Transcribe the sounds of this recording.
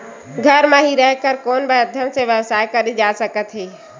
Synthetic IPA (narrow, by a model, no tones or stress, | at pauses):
ɡʱəɾmãɦiɾɛɦkəɾkoːnbeəd̪ʱəmsẽʋjəʋsaːekɐɾid͡ʒaːsəkət̪ɦiː